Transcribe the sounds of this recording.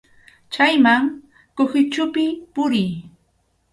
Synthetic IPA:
t͡ʃajmaŋ | kohɪt͡ʃʊpɪpʊɾɪj

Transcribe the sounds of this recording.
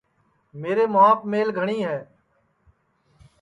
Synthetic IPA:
meːɾeːmʊaːpmeːlɡʱəɳ̃iːɦɛː

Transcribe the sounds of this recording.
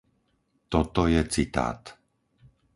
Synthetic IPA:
t̪ɔt̪ɔjɛt͡sit̪a̰ːt̪

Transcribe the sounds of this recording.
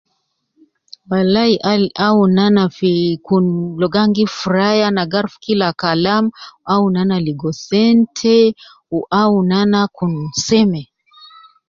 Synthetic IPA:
walaiʔalʔaunanafikunlɔɡaŋɡifuɾajanaɡaɾfu̥kilakalamuaunanaliɡɔsɛntʰɛ | uʔaunanakunsɛmɛ

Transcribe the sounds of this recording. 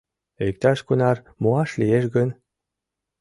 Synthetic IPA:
ek̚t̪ɑʃkunɑr | muɑʃlieʃɡə̆n

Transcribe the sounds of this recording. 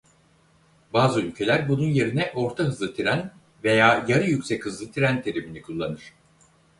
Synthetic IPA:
baːzɯylʲcʰe̞lʲæɾbununje̞ɾinɛʔo̞ɾt̪ʰaɦɯzlˠɯt̪ʰiɾæn | ve̞jaːjaɾɯjycsɛchɯzlˠɯt̪ʰiɾænt̪ʰe̞ɾiminikʰulˠːanɯɾ̥

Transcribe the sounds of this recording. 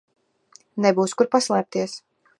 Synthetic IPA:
nɛbuːskuɾpaslˠɛɾp̚t̪iɛs

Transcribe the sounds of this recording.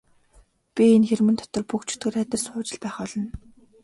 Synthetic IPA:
pʲienxermɘ̆nt̪ʰɔ̥t̪ɞ̆rpukt͡ɕʰɵ̥t̪ɡɘ̆ræt̪ə̆sʊːt͡ɕɪ̆ɮpæːχɔɮɞ̆n

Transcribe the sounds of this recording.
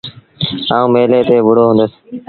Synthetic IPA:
aːũːmeːleːt̪eːʋʊɽoːɦʊ̃nd̪əs

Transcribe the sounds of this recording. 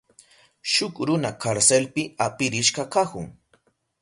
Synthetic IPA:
ʃʊkɾʊnakaɾselpɪapɪɾɪʃɢakakʊ̰ŋ

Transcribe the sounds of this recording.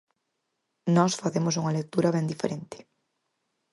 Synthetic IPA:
nɔsfaθemosuŋɐlek̚t̪uɾɐβɛnd̪ifeɾent̪ɪ̥

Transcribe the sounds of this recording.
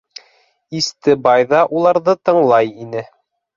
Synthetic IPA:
ist̪ɘbɑjðɑʔulˠɑɾðɤt̪ɤ̆ɴlˠɑjinɘ

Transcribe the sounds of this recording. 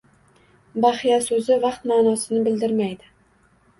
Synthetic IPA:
bɑχijasɵzɪvɑqt̪maːnɒsɪnɪbɪld̪ɪɾmajd̪ɪ

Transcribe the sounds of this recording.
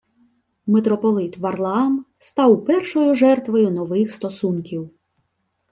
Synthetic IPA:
met̪ɾɔpɔlˠɪt̪ʋɐrlˠɑm | st̪ɑwpɛrʃɔjʊʒɛrt̪ʋɔjʊnɔʋɪxst̪ɔsunkʲiw

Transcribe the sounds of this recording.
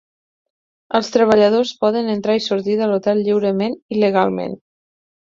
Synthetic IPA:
əlˠst̪ɾəβ̞əʎəðospɔðənənt̪ɾaisuɾt̪iðəlot̪ɛlʎiwɾəmeniləɣalˠmḛn

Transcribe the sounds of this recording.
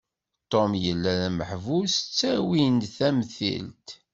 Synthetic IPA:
t̪ˤːomjəlːæðæməħvust͡sːæwinθæmθḭlt̪

